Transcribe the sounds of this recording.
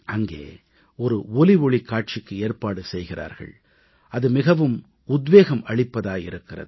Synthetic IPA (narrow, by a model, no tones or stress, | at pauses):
ʔɐŋɡḛː | ɔɾɯɔliʋɔɭɪkːaːʈ̚t͡ʃɪkːɯeːrpaːɽɯsɛjɣɪra̰ːɾɣɐ̰ɭ | ʔɐðɯmɪɣɐʋɯm | ʊd̪ʋeːɣɐmɐɭɪpːɐðaːjɪ̰ɾɯkːɪrɐ̰ðɯ